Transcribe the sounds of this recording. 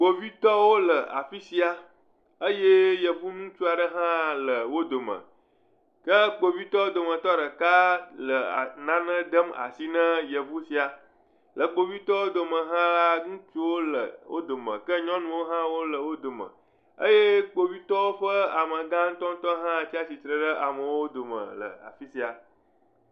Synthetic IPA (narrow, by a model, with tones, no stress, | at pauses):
ɡ͡bo˨vi˦t̪ɔ˦wo˦lə˨a̰˨fi˦si˦a˨ | ə˦je˦jə˨vu˦nũ˦t͡ʃu˦a˨ɖə˦ɦã˦lə˨wo˦d̪o˨mə̰̃˨ | kə˦k͡po˨vi˦t̪ɔ˦wo˦d̪o˨mə̃˨t̪ɔ˦ɖə˨ka˦lə̰˨nã˦nə̃˦d̪ə˦ma̰˨si˦nə̃˦jə˨vu˦si˦a˨ | lə˨k͡po˨βi˦t̪ɔ˦wo˦d̪o˨mə̃˨ɦã˦la˦ŋũ˦t͡ʃu˦wo˦lə˨wo̰˦d̪o˨mə̰̃˨kə˦ɲɔ̃˦nũ˨wo˦ɦã˦wo˦lə˨wo˦d̪o˨mə̰̃˨ | ə˦je˦k͡po˦βi˦t̪ɔ˦wo˦ɸə˦a˨mə˨ɡã˦ŋ̩˦t̪ɔ̃˦n̩˦t̪ɔ˦ɦã˦˨t͡ɕi˦a˦si˨t̪ɾə˦ɖə˦ʔa˨mə̃˨wo˦d̪o˨mə̰̃˨lə̰˨a̰˨fi˦si˨a˨